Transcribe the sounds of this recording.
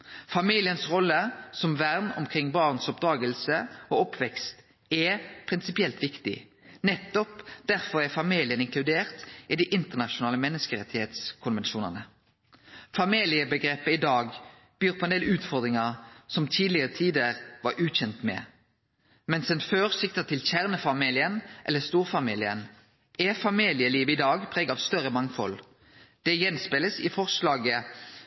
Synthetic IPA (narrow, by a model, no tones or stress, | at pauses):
fɑmiːlɪənsʁɔlːəsɔmʋæʁnɔ̰mkʰʁɪŋːbɑːʁnsɔp̚d̪ʁɑːɡəlsəoɔpʰʋɛkst̪ | ɛpʰʁɪnsɪpɪɛlt̪ʋɪkt̪ɪ̰ | nɛt̪ːɔpd̪̥æʁfɔʁæfɑmiːlɪənɪŋkʰlʉd̪eːʁt̪ɪd̪iʔɪnt̪əʁnɑʃʊnɑːləmɛnːəskəʁɛt̪ɪheːt̪skʰʊnʋɛnʃuːnɑ̰nə | fɑmiːlɪəbəɡʁeːpəɪd̪ɑːɡ | b̥yːʁpʰɔːɛnd̪eːlʉːt̪fɔʁd̪ɾʁɪŋɑsɔmt̪ʰiːd̪lɪʁət̪ʰiːd̪əʁʋɑɾʔʉːçɛnt̪mɛ̰ | mɛnsɛnføːʁsɪk̚t̪ət̪ʰɪlçæʁnəfɑmiːlɪənʔɛ̰lːəst̪uːʁfɑmiːlɪən | ɛfɑmiːlɪəliːʋəɪd̪ɑːɡpʰʁeːɡəɑʋst̪œʁəmɑŋfɔ̰l | d̪̥ɛjɛnspɪləsɪ̰fɔʁslɑːɡə